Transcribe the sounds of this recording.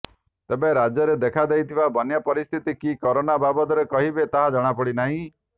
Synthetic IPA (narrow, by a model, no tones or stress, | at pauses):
t̪ebeɾad͡ʒjɔɾed̪ekʰad̪ejt̪ʰibabɔnjapɔɾist̪ʰit̪ikikɔɾonababɔt̪ɔɾekɔɦibet̪aɦad͡ʒɔɽ̃apɔɽinaɦĩ